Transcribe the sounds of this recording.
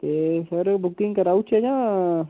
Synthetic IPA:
t̪esəɾbʊkɪ̃ŋɡkɐɾaut͡ʃed͡ʒãː

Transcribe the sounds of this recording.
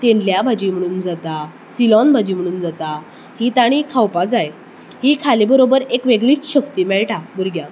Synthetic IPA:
t̪eɳɖljabʱad͡ʑiːm̤əɽ̃uːnd͡zat̪a | silɔnbʱad͡ʑiːm̤əɽ̃uːnd͡zat̪a | hit̪aɽ̃iːkʰawpad͡zaj | hiːkʰalebəɾobəɾekʋeɡɭiːt͡sɕəkt̪iːmɛɭʈabuɾɡjã

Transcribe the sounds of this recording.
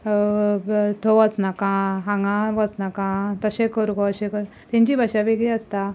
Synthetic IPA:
t̪ʰoʋət͡snakãɦãŋɡãʋət͡snakãt̪əɕẽkəɾkoəɕẽkəɾ | t̪ɛ̃ɲt͡ɕibʱaɕaʋeɡɭiəst̪a

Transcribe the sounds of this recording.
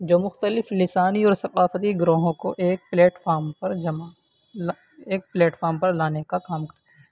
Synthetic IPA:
d͡ʒoːmʊxt̪əlɪflɪsaːniɔːɾsɐqaːfət̪iɡɾoːɦõkoʔeːk̚pleːʈfaːɾmpɐɾd͡ʒɐma | l | eːk̚pleːʈfɔːɾmpɐɾlaːnekakaːmkɐɾt̪eɦɛ̃ː

